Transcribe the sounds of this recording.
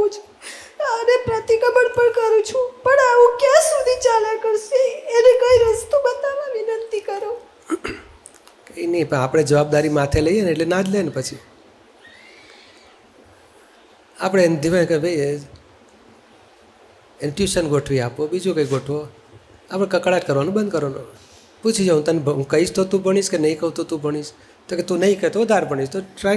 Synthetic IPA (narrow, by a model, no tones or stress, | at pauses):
ũt͡ʃʰu̥ | t̪ənepɾət̪ikəbəɽpəɳkəɾũt͡ʃʰũpəɳaʋũkjãsud̪ʱit͡ʃalakəɾʃeːnekəiɾəst̪ubət̪aʋãʋinənt̪ikəɾo | kəinipəapɽ̃ed͡ʒəʋab̚d̪aɾimat̪ʰeləijeneeʈlenãd͡ʒlenepət͡ʃʰi | apɽ̃end̪ʱiʋãkəbʱəj | ɪɳʈjuʃənɡoʈʰʋiapobid͡ʒukəiɡoʈʰʋo | apɽ̃ekəkɭaʈkəɾʋanobə̃nd̪̚kəɾʋano | put͡ʃʰid͡ʒoɦũt̪ənebʱɦũkəɦiʃt̪ot̪ũbʱəɽ̃iʃkenəɦĩkəɦũt̪ot̪ũbʱəɽ̃iʃ | t̪oket̪ũnəɦĩkəet̪oʋəd̪ʱaɾbʱəɳ̃iʃt̪oʈɾa